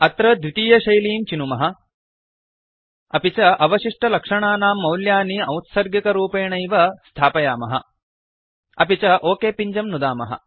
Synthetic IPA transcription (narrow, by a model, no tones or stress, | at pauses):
ɐt̪ɾɐd̪ʋit̪iːjɐʃɐjliːmt͡ʃinumɐɦɐ̆ | ɐpit͡ʃɐʔɐʋɐʃiʂʈɐlɐkʂɐɳaːnaːmːɐwljaːniɐwt̪sɐɾɡjikɐɾuːpeːɳɐjʋɐst̪ʰaːpɐjaːmɐɦɐ̰ | ɐpit͡ʃɐʔoːkeːpiɲd͡ʒɐmnud̪aːmɐ̰ɦɐ̰